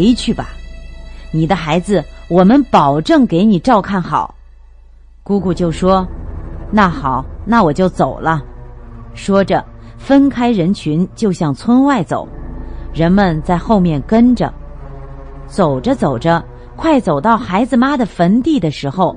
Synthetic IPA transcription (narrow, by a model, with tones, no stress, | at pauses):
ɪt͡ɕʰy˥˩bɐ̰˩ | ni˨˩d̪ə˦xa˧˥ɪd͡zɹ̩˧wɔ˨˩mə˧˦npɑ˨˩ʊʈ͡ʂɤ˥˩ŋke˧˥ɪni˨˩ʈ͡ʂɑ˥˧ʊkʰa˥˩nxɑ˨˩˦ʊ | ku˥ku˥˩t͡ɕjo˥˩ʊʂwɔ˥na˥˩xɑ˨˩˦ʊna˥˩wɔ˨˩t͡ɕjo˥˩ʊt͡so˨˩ʊlə˦ | ʂwɔ˥ʈ͡ʂə˨˩ | fə˥nkʰa˥ɪɻə˧˥nt͡ɕʰy˧˥nt͡ɕjo˥˧ʊɕjɑ˥˩ŋt͡sʰwə˥nwa˥˩ɪt͡so̰˨˩˦ʊɻə˧˥nmə˧˨nt͡sa˥˧ɪxo˥˧ʊmjɛ˥˩nkə˥nʈ͡ʂə̰˨˩ | t͡so˨˩ʊʈ͡ʂə˦t͡so˨˩ʊʈ͡ʂə˦ | kʰwa˥˩ɪt͡so˨˩ʊt̪ɑ˥˩ʊxa˧˥ɪd͡zɹ̩˧ma˥d̪ə˨fə˧˥nt̪i˥˩d̪ə˩ʂɻ̩˧˥xo˥˧ʊ